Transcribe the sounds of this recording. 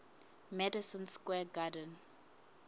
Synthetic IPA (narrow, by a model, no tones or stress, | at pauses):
mɛdisə̃nskwɛɡadə̃n